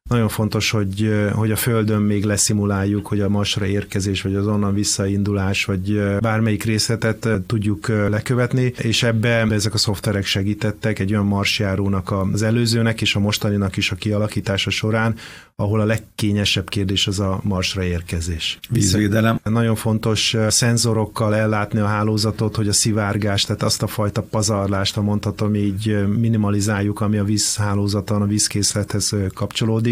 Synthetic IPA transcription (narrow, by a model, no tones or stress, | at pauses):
nɒɟo̞ɱfo̞nt̪o̞ʃho̞ɟho̞ɟɒføld̪ø̞mːeːɡlɛsimulaːjːukho̞ɟɒmɒrʃrɒeːrkɛzeːʃʋɒɟɒzo̞nːɒɱvisːɒind̪ulaːʃʋɒɟbaːrmɛjikreːslɛt̪ɛt̪t̪ːuɟːuklɛkøvɛt̪nieːʃɛbːɛɛɛzɛkɒso̞ft̪ʋɛɾɛkʃɛɡiːt̪ɛt̪ːɛkɛɟːo̞jɒmːɒrʃjaːɾoːnɒkɒzɛløːzøːnɛkeːʃɒmo̞ʃt̪ɒninɒkiʃɒkiɒlɒkiːt̪aːʃɒʃo̞ɾaːn | ɒɦo̞lɒlɛkːeːɲɛʃɛbkeːrd̪eːʃɛzɒmɒrʃrɒeːrkɛzeːʃviːsʋeːd̪ɛlɛmnɒɟo̞ɱfo̞n̪t̪o̞ʃsɛnzoɾo̞kːɒlɛlːaːt̪niɒɦaːloːzɒt̪o̞t̪ho̞ɟɒsivaːrɡaːʃt̪aːt̪ɒst̪ɒfɒjt̪ɒpɒzɒrlaːʃt̪ɒmo̞nt̪hɒt̪omiːɟminimɒlizaːjːukɒmiɒviːshaːloːzɒt̪onɒviːskeːslɛt̪hɛz̥kɒpt͡ʃo̞loːd̪ik